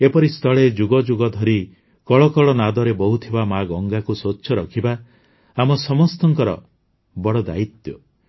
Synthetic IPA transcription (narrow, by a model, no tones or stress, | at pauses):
epɔɾist̪ʰɔɭed͡ʒuɡɔd͡ʒuɡɔd̪ʱɔɾi | kɔɭɔkɔɭɔnad̪ɔɾebɔɦut̪ʰibamaɡɔŋɡakusotːʃʰɔɾɔkʰiba | amɔsɔmɔst̪ɔŋkɔɾɔ̰ | bɔɽɔd̪a̰it̪jɔ